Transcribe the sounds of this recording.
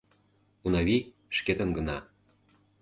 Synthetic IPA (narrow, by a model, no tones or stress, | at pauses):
unɑβi | ʃket̪ə̆nɡə̆nɑ